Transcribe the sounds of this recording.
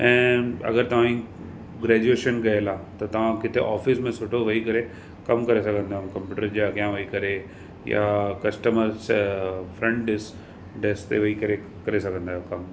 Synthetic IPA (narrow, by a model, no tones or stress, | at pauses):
ɛ̃ːɐ̰ɡəɾt̪ɐʋ̤ãĩ | ɡɾeːd͡ʑueːʃənɡɐelat̪ɐt̪ɐʋ̤ãkɪt̪ʰeʔaːfɪsmẽsoːʈʰoʋɐɦikɐɾe | kɐmkɐɾesɐɡʱə̃nd̪aːumkɐ̃mpjuːʈəɾd͡ʑakjãʋɐikɐɾe | ja̰kɐsʈəməɾsfɾɛ̃ɳɖs | ɖest̪eʋɐɦikɐɾe | kɐɾesɐɡʱə̃nd̪aːj̃kɐm